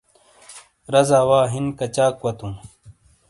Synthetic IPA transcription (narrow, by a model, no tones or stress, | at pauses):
ɾɐzaːwaːɦinkɐt͡ɕaːkwɐt̪ũː